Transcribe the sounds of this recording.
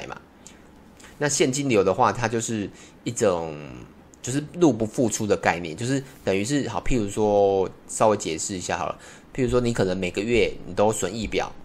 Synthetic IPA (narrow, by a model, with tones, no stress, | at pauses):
ɪma̰˨ | na˥˧ɕjɛ˥˩nt͡ɕi˦˥nljo˧˥ʊd̪ə˨xwa˥˨˩t̪ʰa˦t͡ɕjo˥˧ʊʂɻ̩˥˧ | i˥˩ʈ͡ʂo˨˩ŋ | t͡ɕjo˥˧ʊʂɻ̩˥˨lu˥˩pu˧˥fu˥˧ʈ͡ʂʰu˥d̪ə˨ka˥˧ɪnjɛ̰˥˨nt͡ɕjo˥˧ʊʂɻ̩˥˩t̪ə˨˩ny˧˥ʂ̬ɻ̩˥˩hɑ˨˩ʊpʰi˥˩ɻu˧˥ʂwɔ˦sɑ˥ʊwe˧˥ɪt͡ɕjɛ˨˩ʂɻ̩˥˩i˧˥ɕja̰˥˩xɑ̰˨˩ə̰˦ | pʰi˥˩ɻu˧˥ʂ̬wɔ˥ni˨˥kʰɤ˨˩nə˧˦ŋme˨˩ɪɡə˩ɥɛ˥˩ni˨˩t̪o˥ʊswə˧˥ni˥˩pjɑ̰˨˩ʊ